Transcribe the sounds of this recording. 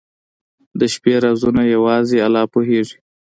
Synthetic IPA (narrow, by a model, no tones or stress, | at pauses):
d̪əʃpeɾazunajawɑzealɑpoɦeʐi̥